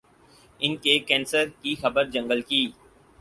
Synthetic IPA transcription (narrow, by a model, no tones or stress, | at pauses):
ɪnkekɛ̃ːnsəɾkixɐbəɾd͡ʒɐ̃ŋɡəlkiː